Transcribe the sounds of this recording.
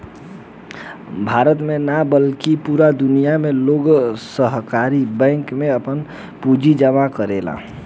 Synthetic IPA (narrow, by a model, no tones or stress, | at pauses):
bʱaɾət̪menabəlkipuɾad̪ʊnijameloɡsəɦkaɾibɛ̃ŋkmẽəpən | pud͡ʒid͡ʒəmakəɾela̰